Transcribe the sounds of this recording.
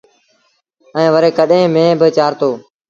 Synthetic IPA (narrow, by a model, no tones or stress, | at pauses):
ɛ̃ːʋəɾeːkəɗẽːmẽːbɪt͡ʃaːɾt̪oː